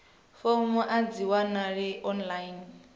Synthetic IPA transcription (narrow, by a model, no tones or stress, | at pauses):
fomuʔad͡ziwanaɺiʔɔnlain